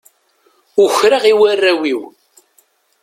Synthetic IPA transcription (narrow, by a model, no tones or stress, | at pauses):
ʊçɾaʁiwærːæwiw